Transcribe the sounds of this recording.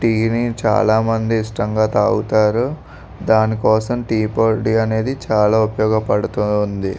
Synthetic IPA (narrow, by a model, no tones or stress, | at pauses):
ʈiːnit͡ʃa̰ːlaːmɐnd̪iːʂʈɐŋɡaːt̪aːɡut̪aːɾu | d̪aːnikɔːsɐmʈiːpoːɾɖiɐne̞ːd̪it͡ʃaːlaːupɐjɔːɡɐpɐɽut̪und̪i